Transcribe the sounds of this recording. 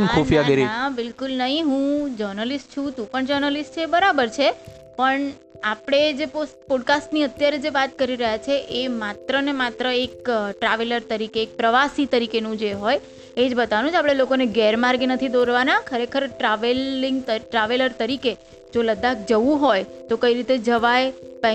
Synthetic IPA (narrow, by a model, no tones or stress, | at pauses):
nkʰofijaɡəɾiabɪlkʊlnəɦĩɦũd͡ʒəɾnəlisʈ̚t͡ʃʰũt̪ũpəɳd͡ʒəɾnəlisʈt͡ʃʰeːbəɾabəɾt͡ʃʰe | pəɳ | apɽ̃ed͡ʒepospɔɖkasʈniət̪jaɾed͡ʒeʋat̪kəɾiɾəɦjat͡ʃʰeʔemat̪ɾənemat̪ɾəek̚ʈɾaʋeləɾt̪əɾikeːk̚pɾəʋasit̪əɾikenũd͡ʒeɦoj | ed͡ʒbət̪aʋnũd͡ʒapɽ̃elokoneɡeɾmaɾɡenət̪ʰid̪oɾʋanakʰəɾekʰəɾʈɾaʋeliŋɡt̪əʈɾaʋeləɾt̪əɾike | d͡ʒoləd̪ak̚d͡ʒəʋũɦojt̪okəiɾit̪ed͡ʒəʋajpa